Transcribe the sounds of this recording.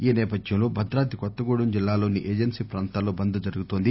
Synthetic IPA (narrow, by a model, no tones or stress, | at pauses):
iːnɛːpɐd̪jɐmlo̞ːbʱɐd̪ɾaːt̪ikɔt̪ːɐɡoːɽumd͡ʒilːaːloːniʔeːd͡ʒɐnsiːpɾaːnt̪aːlo̞ːbɐnd̪ɐd͡ʒɐɾuɡut̪oːnd̪i